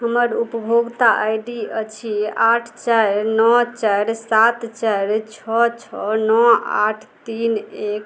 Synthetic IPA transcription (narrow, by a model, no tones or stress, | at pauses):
ɦəməɾupəbʱoɡt̪aʔajɖiət͡ʃʰiaʈʰt͡ʃaɾnɔt͡ʃaɾsat̪t͡ʃaɾt͡ʃʰɔt͡ʃʰɔnɔa̰ʈʰt̪inek